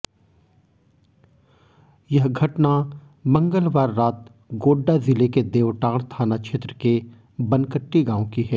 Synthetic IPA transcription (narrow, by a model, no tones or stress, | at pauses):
jɐɦɡʱɐʈna | mɐ̃ŋɡəlʋaːɾːaːt̪ | ɡoːɖːazɪleked̪eːʋʈaːɽ̃t̪ʰaːnat͡ʃʰeːt̪ɾəke | bɐ̃nkəʈːiɡãːõkiɦɛː